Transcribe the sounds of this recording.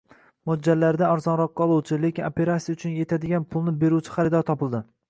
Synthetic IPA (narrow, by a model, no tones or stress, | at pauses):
mʊd͡ʒːalːaɾɪd̪aɒɾzɒnɾɒq̚ːɑɒlˠuwt͡ʃʰɪle̞kʲɪnope̞ɾat̪sijaʊt͡ʃʰʊnje̞t̪ʰad̪ɪɡʲanpʰʊlˠnɪbe̞ɾuwt͡ʃʰɪ̥χaɾɪd̪ɒɾt̪ʰɒpɪlˠd̪ɪ